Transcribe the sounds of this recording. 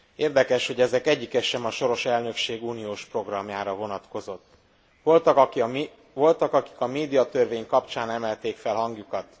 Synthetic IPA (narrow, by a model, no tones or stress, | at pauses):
eːrd̪ɛkɛʃho̞ɟɛzɛkɛɟːikɛʃɛmɒʃo̞ɾo̞ʃɛlnø̞kʃeːɡuːnijoːʃpro̞ɡrɒmjaːɾɒvo̞nɒt̪ko̞zo̞t̪ː | ʋo̞lt̪ɒk | vo̞lt̪ɒkɒki̥kɒmeːd̪ijɒt̪ørveːɲkɒpt͡ʃaːnɛmɛlt̪eːkfɛlɦɒŋɡjukɒt̪